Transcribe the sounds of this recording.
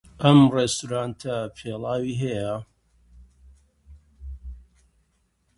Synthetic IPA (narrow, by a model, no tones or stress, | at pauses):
ʔɐmrest̪uɾaːnt̪ʰɐpʰeːlˠaːwiːɦɐjɐ